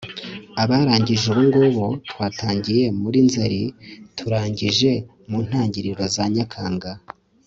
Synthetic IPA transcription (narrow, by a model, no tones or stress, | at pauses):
aβaːɾaːɲɟiʒuβuŋɡoβotwaːtʰaːɲɟije̞muɾinzaɾitʰuɾaːɲɟiʒe̞ | muːn̥haːɲɟiɾiɾo̞zaɲakʰaːŋɡa